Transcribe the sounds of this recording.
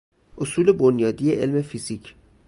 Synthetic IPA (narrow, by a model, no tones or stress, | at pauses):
ʔosuːle̞bonjɒːd̪ije̞ʔelme̞fizicʰ